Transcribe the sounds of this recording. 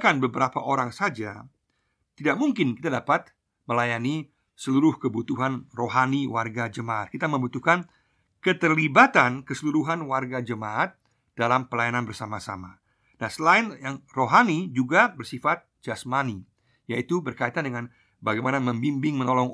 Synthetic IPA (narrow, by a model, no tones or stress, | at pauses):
kanbəbəɾapaʔoɾaŋsad͡ʒa | t̪idak̚muŋkɪnki̥t̪adapat̪̚ | məlajani | səluɾʊhkəbut̪uɦanroɦaniwarɡad͡ʒəmaʔat̪̚kit̪aməmbut̪uhkan | kət̪ərlibat̪ankəsəluɾuɦanwarɡad͡ʒəmaʔːt̪̚ | d̥alampəlajananbərsamasa̰ma | nahsəlaɪnjaŋroɦanid͡ʒuɡabərsifat̪̚d͡ʒasmani | jait̪ubərkait̪andəŋan | baɡajmanaməmbimbɪŋmənolɔŋ